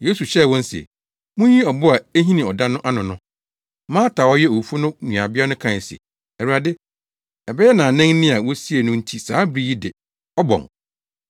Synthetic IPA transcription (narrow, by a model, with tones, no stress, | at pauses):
jeː˦su˨ɕɛ˦˨wɔ̃˦n̩˦sɛ̰˨ | mʊ̃˦ɲĩ˦ɔ˨bʊ˦a˨æ˦ɦĩ˦nĩ˨ɔ˨da˦nʊ̃˦ʔa˦nʊ̃˨nʊ̃˦ | mãː˦tʰaː˨wɔ˦jɛ˦o˨fu˦nʊ̃˦˨ɲũ˨a˨bɪ˦a˦nʊ̃˦kʰã˨n˨sɛ̰˨ | ɛ˨u˨a˨dɪ˦ | ɛ˨bɛ˦jɛ˦nã˨nɛ̃˦ŋ˦nɪ̃˦a˨wɔ˦si˦e˨nʊ̃˦n̩˦tʰi˦saː˨˦bɾi˦ji˦dɪ˨ | ɔ˦bɔ̰̃˨ŋ